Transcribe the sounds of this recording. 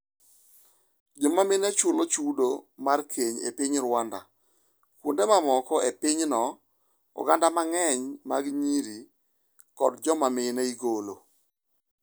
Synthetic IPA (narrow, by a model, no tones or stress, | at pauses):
d͡ʒɔmamɪnat͡ʃulot͡ʃudomarkʰeɲḛpɪɲɾwanda̰ | kwundemamɔkɔepɪɲnɔ | ɔ̰ɡandamaŋɛɲmaɡɲiɾi | kɔdd͡ʒɔmamɪnaiɡolo